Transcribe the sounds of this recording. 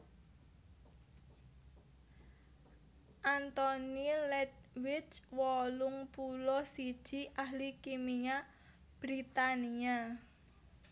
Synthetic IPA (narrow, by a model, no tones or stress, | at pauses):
ʔant̪ɔnilɛt̪̚wɪt͡ʃwɔlʊŋpulɔsid̥ʒ̥i̤ʔahlikimiɲa | b̥ɾit̪ania